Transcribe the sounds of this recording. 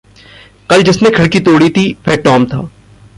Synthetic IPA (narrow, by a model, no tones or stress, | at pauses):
kɐld͡ʒɪsnekʰɐɽkit̪oːɽit̪ʰipʰɛʈɔːmt̪ʰa̰ː